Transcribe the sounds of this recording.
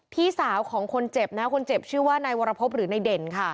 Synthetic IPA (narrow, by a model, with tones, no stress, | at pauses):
t̪ʰiː˥˩saː˩˦wkʰɔː˩˦ŋkʰo˧nt͡ɕe˨˩p̚na˦˥kʰo˧nt͡ɕe˨˩p̚t͡ɕʰɯː˥˩waː˥˩na˧jwoː˧ɾa˧pʰo˦˥p̚ɾɯː˩˦na˧jde˧nkʰa˥˩